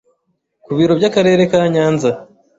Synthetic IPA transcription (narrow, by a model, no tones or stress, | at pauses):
kuβiːɾo̞bɟakaɾe̞ːɾe̞kaːɲaːnza